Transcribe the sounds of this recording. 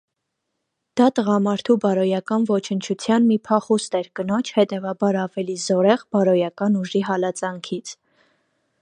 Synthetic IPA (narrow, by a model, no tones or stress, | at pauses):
d̪̥ɑt̪əʁɑmɑɾt̪ʰubɑɾɔjɑkɑnvɔt͡ʃʰənt͡ʃʰut͡sʰjɑnmipʰɑχust̪ɛɾkənɔt͡ʃʰhɛt̪ɛvɑbɑɾɑvɛlizɔɾɛʁbɑɾɔjɑkɑnuʒiɦɑlɑt͡sɑŋkʰit͡sʰ